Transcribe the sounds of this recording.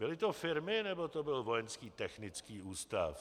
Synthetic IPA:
bɪlɪt̪ofɪɾmɪnɛbot̪obɪlvojɛnskiːt̪ɛxnɪt͡skiːʔuːst̪a̰f

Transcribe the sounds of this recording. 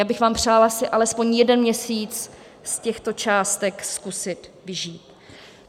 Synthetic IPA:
jaːbɪxvaːmpr̝̥aːlasɪʔalɛspo̞ɲjɛdɛnmɲɛsiːt͡s | scɛxt̪o̞t͡ʃaːst̪ɛkskusɪt̪vɪʒiːt̪

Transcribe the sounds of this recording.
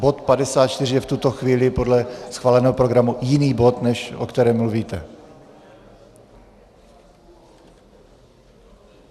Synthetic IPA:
bo̞t̪padɛsaːt̪̚t͡ʃt̪ɪrɪjɛft̪ut̪oxviːlɪpo̞dlɛsxvaːlɛnɛːɦopɾo̞ɡɾamujɪniːbo̞t̪nɛʃʔo̰kt̪ɛɾɛːmːluviːt̪ɛ

